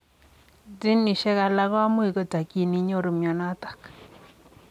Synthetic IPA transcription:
di˦nːi˨ʃɛ˦ka˨la˦ɣɔ˦a˦mo˦i˨kɔ˦ta˨ki˦˨ni˨˦ɲo˦˨ɾo˨mjɔ˨na˦tḁ˨k

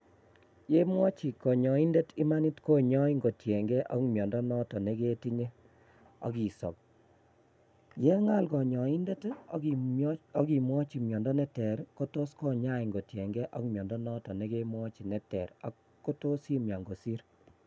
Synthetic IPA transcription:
je˦mwɔ˦t͡ʃi˨kɔ˨ɲɔ˨i˦nde˦ti˦ma˦ni˦tko˦ɲɔ˦i˦ŋɡo˨tjɛ˨ŋɡɛ˦ʔɔ˦kmjɔ˨ndɔ˦nɔ˦tɔ˨ne˦ke˦ti˦ɲe˦ | ɔ̰˨ki˨sɔ̰˨p̚ | jɛ˦ŋa˦lkɔ˨ɲɔ˨i˦nde˦t | ɔ˦ki˨mwɔ˦t͡ʃi˨mjɔ˨ndɔ˦nɛ˦tɛ˨ɾko˦to˦skɔ˦ɲa˦i˨ŋɡo˨tjɛ˨ŋɡɛ˦ʔɔ̰˦kmjɔ˨ndɔ˦nɔ˦tɔ˨ne˦ke˦mwɔ˦t͡ʃi˨nɛ˨tɛ˨ɾa̰˦ | kːo˦to˦si˦mja˨ŋɡo˨si˦ɾ

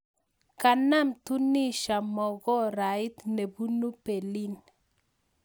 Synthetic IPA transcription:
ka˨na˦mtu˦ni˦ʃa˨mɔ˨ɡɔ˦ɾa˨ɪ˦t̪ne˨bu˦nu˦pe˨li˦n

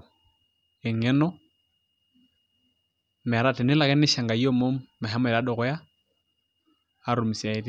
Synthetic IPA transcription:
ɛ˨ŋɛ˦nɔ˦ | m˨a˨ɾa˦tɛ˨nɪ˦la˨kɛ˦nɪ˦ʃa˨ŋɡa˨i˦ɔ˦mo˦ma˨ɦɛ˦mɔ˦˨ɾa˦ɗɔ˨ɣɔ˦ja˦˨ | ɾu˨mi˨si˨a˨e˦di˦

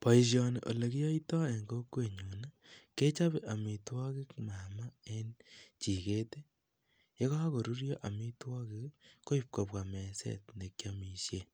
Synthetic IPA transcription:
po˨i˨s̬jo˨nḛ˨ʔo̰˨le˨ki˦jo˦itɔ˦e˨ŋɡo˦kwe˨ɲu˨na | ke˦t͡ʃa˦βe˨ʔa˨mi˨twɔ˦ki˦kma˨ma˦e˦nt͡ʃi˨ke˦te˦ | e˦ɣa˦a˦ko˨ɾu˦ɾjo˦ʔa˨mi˦twɔ˦ki˦kko˦ip̚ko˨pwa˨me˨sḛ˦tne˨kja˨mi˨sje˦

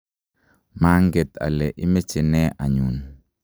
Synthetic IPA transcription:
ma˦ŋɡɛ˨t̪a̰˨lɛ˨ʔi˦mɛ˦t͡ʃɛ˨nɛ˦ʔa˨ɲu˨n

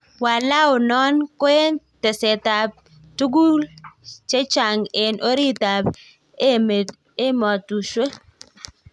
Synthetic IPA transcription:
wa˨la˦ʊ˨nɔ˦nkwe˦nte˨se˨ta˨b̚ | tu˦ɡu˦lt͡ʃe˦t͡ʃa˨ŋɪ˨nʔo˦ɾi˦ta˨b | e˦e | e˦mɔ˨tu˨ʃwe˦

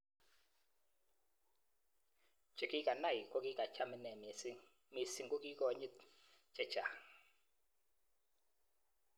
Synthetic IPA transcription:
d͡ʒ̥ɛ˨ki˦kʼa˨na˦˨ji˨kʼɔ˦k̬ʼi˦kʼa˨cʰa˦mi˦nɛ˨m˨si˦ | mi˨si˦ŋɡʼɔ˦kʼi˦kɔ˦˨ɲɛ˦ | d͡ʒɛ̥˨t͡ʃa˨

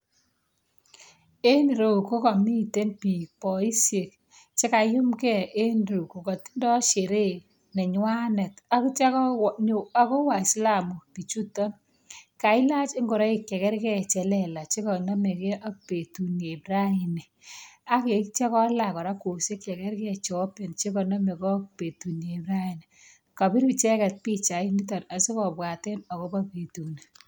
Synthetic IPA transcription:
e˦n˨ɾo˨ko˦kɔ˨mi˦˨te˦npi˨pɔ˨i˦sje˨k̚ | t͡ʃɪ˦ka˨jʊ˦mkɛ˦˨ʔe˦nɾu˨ko˨kɔ˨ti̥˦ndɔ˦ʃe˨ɾe˦˨ | nɛ˨ɲwa˦nɛ˨ta˨kt͡ʃɛ˦ka˨ko˦wa˨i˨sla˦˨mu˨pi˨t͡ʃu˦tɔ˦n | ka˨ɪ˦la˦t͡ʃɪ˦ŋɡɔ˨ɾɔ˦i˨kjɛ˨kɛ˦ɾkɛ˦˨t͡ʃɛ˨lɛ˨la˨t͡ʃi˦kɔ˨na˦me˨kɛ˦ʔa˦k̚pe˨tu˨ne˨bɾa˦i˨ni˨a˦ke˨kt͡ʃɛ˦kɔ˦la˨kɔ˨ɾa˦ko˨se˦kːɛ˨kɛ˦ɾkɛ˦˨t͡ʃːpe˨nt͡ʃe˦kɔ˨nɔ˦me˨kɔ˦k̚pe˨tu˨nje˨bɾa˦i˨n˨ | ka˨bi˦ɾbi˨t͡ʃɛ˦kɛ˨t̚pi˦t͡ʃa˨i˦ni˦tɔ˨ta˨si˦kɔ˨pwa˨tɛ˦nɔ˨ko˦ba˦pe˨tu˨ni˨

